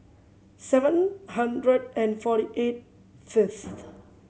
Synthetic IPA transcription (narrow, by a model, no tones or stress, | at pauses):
sɛvə̃nhãndɹədɛ̃nfɔɾiʔet̚ | fɪst